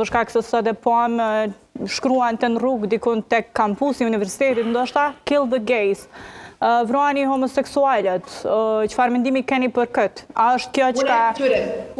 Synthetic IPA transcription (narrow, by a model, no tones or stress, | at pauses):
pəɾʃkaksəst̪ɔd̪ɛpɔam | ʃkɾuant̪ɛnruɡd̪ikunt̪ɛkːampusiunivɛɾsi̥t̪ɛt̪it̪nd̪ɔaʃt̪akilˠðəɡɛjs | vɾɔanihɔmɔsɛksualɛt̪t͡ɕə̥faɾmɛnd̪imikɛnipəɾkət̪aəʃt̪̚kjɔt͡ʃəkatɾɛ